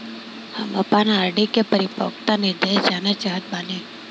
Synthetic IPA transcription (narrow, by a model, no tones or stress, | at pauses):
hɐmɐpanaːɾɖikepɐɾɪpɔ̰ːkt̪anɪd̪eːsd͡ʒaːnat͡ʃaːɦət̪̚baːlẽː